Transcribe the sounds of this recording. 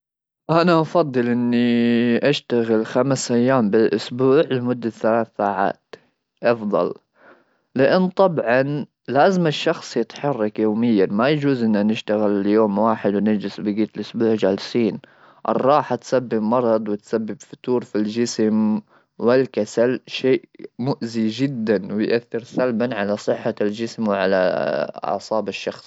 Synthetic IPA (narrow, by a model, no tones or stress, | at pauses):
ʔanaʔɑfɑd̪ˤːɨlʔɪnːiʔaʃt̪aɣɪlxamsʔajːaːmbɪlʔʊsbuːʕlmʊd̪ːaθalaːθːaːʕa̰ːt̪ | ʔɑfd̪ˤɑ̰l | lɪʔanːt̪ˤɑbʕɑn | laːzɪmɪʃːɑxsˤjɪt̪ħɑrˤːɑkjoːmɪjːanmajad͡ʒuːzʔɪnːanɪʃt̪aɣɪljoːmwaːħɪd̪wɪnad͡ʒɪsbɪɡiːt̪ɪlʔʊsbuːʕʒaːlsiːn | ʔɑ̰rˤːɑːħat̪sabːɪbmɑɾˤɑd̪ˤwɪt̪sabːɪbfʊt̪uːɾfild͡ʒɪsm | wɪlkasalʃeːʔmʊʔzid͡ʒɪd̪ːanwɪjʔaθːɪɾsalbanʕalasˤɨħːald͡ʒɪsmwʕala̰ɑ̰ʕsˤɑːbɪʃːɑxsˤ